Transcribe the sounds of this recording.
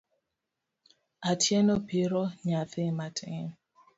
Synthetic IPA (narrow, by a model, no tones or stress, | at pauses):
atjɛnɔpiɾɔɲaθɪmatʰɪ̰̃